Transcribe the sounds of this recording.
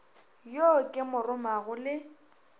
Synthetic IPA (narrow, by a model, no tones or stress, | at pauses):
jokʼɪmʊrʊmaɣʊlɪ